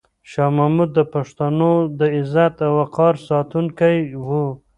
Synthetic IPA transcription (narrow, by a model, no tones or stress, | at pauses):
ʃɑmamud̪ːəpaʂt̪anod̪əɪzat̪awaqɑɾsɑt̪uŋkajwu